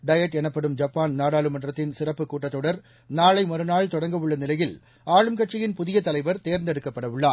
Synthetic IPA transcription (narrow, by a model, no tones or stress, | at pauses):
ɖɐjɐʈːɛnɐpːɐɽɯmd͡ʒɐpːaːnnaːɽaːɭɯmɐɳdrɐt̪ːɪnsɪrɐpːɯkːuːʈːɐt̪ːɔɽɐɾ | naːɭɐɪmɔɾɯnaːɭt̪ɔɽɐŋɡɐʋɯɭːɐnɪlɐjɪl | aːɻɯmkɐʈt͡ʃːɪjɪnpʊðɪjɐt̪ɐlɐɪʋɐɾt̪eːɾnd̪ɛɽɯkːɐpːɐɽɐʋɯɭːaː